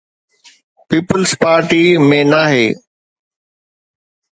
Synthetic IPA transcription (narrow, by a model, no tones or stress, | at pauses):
piːpəlspaːɾʈiːmẽːnaːɦeː